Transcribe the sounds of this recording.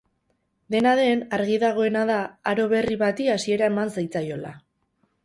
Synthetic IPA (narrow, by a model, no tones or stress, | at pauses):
d̪e̞naðe̞naɾɣiðaɣ̞o̞e̞nað̞aaɾo̞βe̞riβat̪iasie̞ɾae̞mansajt͡sajo̞la̰